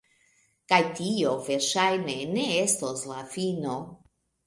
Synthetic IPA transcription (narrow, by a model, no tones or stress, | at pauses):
kajtio̞ve̞ɾʃajne̞ne̞e̞stoslafino